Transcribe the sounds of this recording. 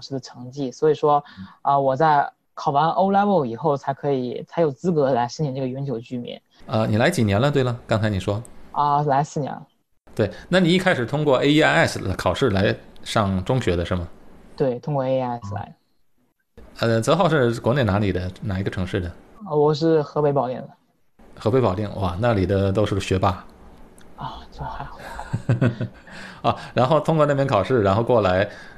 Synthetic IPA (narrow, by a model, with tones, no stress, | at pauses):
ʊʂɻ̩˥˩d̪ə˩ʈ͡ʂʰɤ˧˥ŋt͡ɕi˥˩swɔ˧˥i˨˩ʂwɔ˥ə˧wɔ˨˩t͡sa˥˩ɪ | kʰɑ˨˩ʊwa˧˥nʔo˥ʊla˥bo˥˩ʊi˨˩xo˥˩ʊt͡sʰa˧˥ɪkʰɤ˧˥i˨˩t͡sʰɪjo˨˩ʊt͡sɹ̩˥kɤ˧˥la˧˥ɪʂɻ̩˥˩nɛ˧˩nʈ͡ʂɤ˥˩ə˩ɥɛ˧˥nt͡ɕjo˨˩ʊt͡ɕy˥˩mjɛ̰˧˥˦n | ə˧ni˨˩la˧˥ɪt͡ɕi˨˩njɛ˧˥nlə˧t̪we˥˩ɪlə˩kɑ˥ŋt͡sʰɪni˨˩ʂwɔ˥ə˥˧la˧˥ɪsɹ̩˥˩njɛ̰˧˥n | t̪we˥˩ɪna˥˩ni˨˩i˥˩kʰa˥ɪʂɻ̩˨˩t̪ʰʊ˥ŋkwɔ˥˧ʔe˥ɪi˥a˥ɪɛ˥˩skʰɑ˨˩ʊʂɻ̩˥˩la˧˥ɪʂɑ˥˩ŋʈ͡ʂʊ˥ŋɕɥɛ˧˥d̪ə˧ʂə˧˥mə˩t̪we˥˩ɪt̪ʰʊ˥ŋkwɔ˥˧e˥ɪ˥˧ɛ˥˩sla̰˧˥ɪ | ə˧t͡sɤ˧˥xɑ˥˧ʊʂɻ̩˥˩kwɔ˧˥ne˥˩ɪna˧˥ni˨˩d̪ə˦na˨˩i˧˥ɡə˧ʈ͡ʂʰɤ˧˥ŋʂɻ̩˥˩d̪ə˩˥˩wɔ˨˩ʂ̬ɻ̩˥˩xɤ˧˥pe˧˥ɪpɑ˨˩ʊt̪ḭ˥˩ŋd̪ə˩ | xɤ˧˥pe˧˥ɪpɑ˨˩ʊt̪i˥˩ŋwa˥˩na˥˩ni˨˩d̪ə˦t̪̬o˥ʊʂɻ̩˥˩ɕɥɛ˧˥pa˥ | ɔ˧˩t͡sxa˧˥ɪxɑ˨˩ | ɔ˥˧˩ɻa˧˥nxo˥˧ʊt̪ʰʊ˥ŋkwɔ˥˧na˥˩pjɛ˥ŋkʰɑ˨˩ʊʂɻ̩˥˩ɻa˧˥nxo˥˧ʊkwɔ˥˩la˧˥ɪ